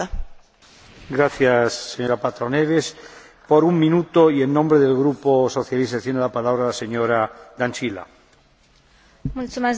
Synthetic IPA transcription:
ɡɾaθjasːeɲoɾapat̪ɾoneβes | poɾuŋmĩnut̪oienːõmbɾeðelɣɾuposoθjaliset̪jenelapalaβɾalaseɲoɾad̪ant͡ʃila̰ | mutuma

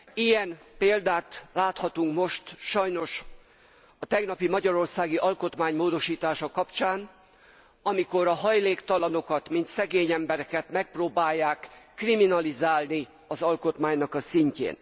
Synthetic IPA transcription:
ijɛnpeːld̪aːt̪laːt̪hɒt̪uŋkmo̞ʃt̪ʃɒjno̞ʃ | ɒt̪ɛɡnɒpimɒɟɒɾo̞rsaːɡiʔɒlko̞t̪maːɲmoːd̪o̞ʃiːt̪aːʃɒkɒpt͡ʃaːn | ɒmiko̞ɾɒɦɒjleːkt̪ɒlɒno̞kɒt̪mint̪sɛɡeːɲɛmbɛɾɛkɛt̪mɛk̚proːbaːjːaːkː | riminɒlizaːlni | ɒzɒlko̞t̪maːɲnɒkɒsiɲcḛːn

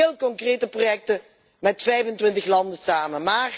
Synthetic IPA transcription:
eːlˠkɔŋkreːtəprojɛk̚tə | mɛtfɛjvəntʋɪntəxlɑndəsaːmənmaːr

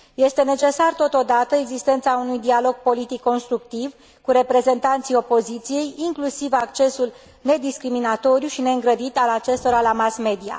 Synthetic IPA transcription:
je̞st̪e̞ne̞t͡ʃe̞sart̪o̞t̪o̞d̪at̪əeɡzist̪e̞nt̪saunujd̪ialo̞ɡ̚po̞lit̪ikːo̞nst̪ɾukt̪iv | kuɾe̞pɾe̞ze̞nt̪ant̪sijo̞po̞zit̪sije̞jiŋklusivakt͡ʃe̞sul | ne̞d̪iskɾiminat̪o̞ɾjuʃine̞ɨŋɡɾəd̪it̪alat͡ʃe̞st̪o̞ɾalamasme̞d̪ia̰

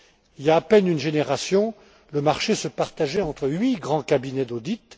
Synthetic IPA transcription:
iljaːpɛnynʒeneʁasjɔ̃ | ləmaʁʃesəpaʁt̪aʒɛɑ̃t̪χəɥiɡʁɑ̃kabinɛd̪od̪it̪

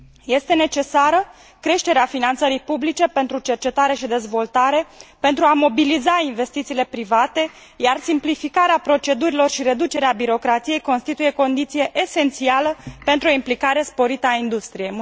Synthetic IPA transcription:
je̞st̪e̞ne̞t͡ʃe̞saɾə | kɾe̞ʃt̪e̞ɾeafinant̪səɾijpublit͡ʃe̞pe̞nt̪ɾut͡ʃe̞rt͡ʃe̞t̪aɾe̞ʃid̪e̞zvo̞lt̪aɾe̞pe̞nt̪ɾuamo̞bilizainve̞st̪it̪siːle̞pɾivat̪e̞ | jarsimplifikaɾeapɾo̞t͡ʃe̞d̪uɾilo̞rʃiɾe̞d̪ut͡ʃe̞ɾeabiɾo̞kɾat̪sije̞jko̞nst̪it̪uje̞ko̞nd̪it̪sije̞ʔese̞nt̪sialəpent̪ɾuo̞implikaɾe̞spo̞ɾit̪əaind̪ust̪ɾije̞j

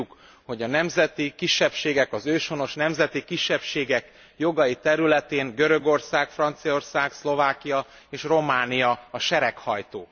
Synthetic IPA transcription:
uk | ho̞ɟɒnɛmzɛt̪ikiʃːɛpʃeːɡɛkɒzøːʃo̞no̞ʃnɛmzɛt̪ikiʃːɛpʃeːɡɛk | jo̞ɡɒjit̪ɛɾylɛt̪eːŋɡøɾø̞ɡo̞rsaːkfrɒnt̪sijo̞rsaːkslo̞vaːkijɒ | eːʃro̞maːnijɒɒʃɛɾɛkhɒjt̪oː

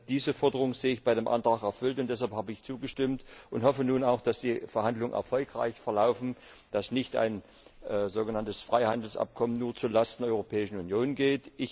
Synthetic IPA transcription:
d̥iːzəfɔɐdəʁ̞ʊŋəzeːəɪçb̥aɪdeːmʔa̰ntʁ̥aːxɛɐfʏltʊntd̥ɛs̬halphaːbəɪçt͡suːɡəʃtɪmtʔʊnthɔfənuːnaʊxd̥asd̥iːfɛɐhandlʊŋənʔɛ̰ɐfɔlkʁ̥a̰ɪçfɛɐlaʊfn̩ | d̥asnɪçta̰ɪn | ʔzoːɡənantəsfʁ̥aɪhandl̩sʔa̰p̚kʰɔmənːuːɐt͡suːɐlastndɛɐɔʏʁopʰɛːɪʃn̩unjoːnɡeːtʔɪç

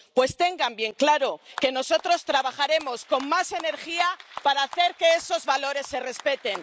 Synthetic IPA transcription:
pwe̞st̪e̞ŋɡambje̞ŋklaɾo̞ke̞no̞so̞t̪ɾo̞st̪ɾaβaχaɾe̞mo̞sko̞mmase̞ne̞ɾxiapaɾaːθe̞ɾke̞eso̞zβalo̞ɾe̞sːe̞re̞spe̞t̪e̞n

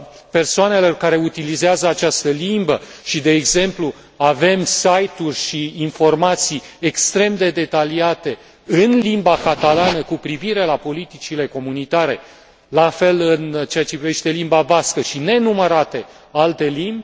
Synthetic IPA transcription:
pe̞rsoane̞lo̞rkaɾe̞ut̪ilizeazəat͡ʃast̪əlimbəʃid̪e̞ːɡze̞mplu | ave̞msajt̪urʲʃiːnfo̞rmat̪sijekst̪ɾe̞md̪e̞d̪e̞t̪aliat̪e̞ | ɨnlimbakat̪alanəkupɾiviɾe̞lapo̞lit̪it͡ʃile̞ko̞munit̪aɾe̞ | lafe̞lɨnt͡ʃe̞at͡ʃe̞pɾive̞ʃt̪e̞limbavaskəʃine̞numəɾat̪e̞ | alt̪e̞limbʲ

